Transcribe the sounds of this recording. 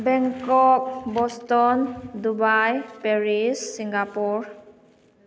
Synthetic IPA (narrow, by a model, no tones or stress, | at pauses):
bɛŋkɔk̚bɔstɔndubajpeɾisːiŋɡapuɾ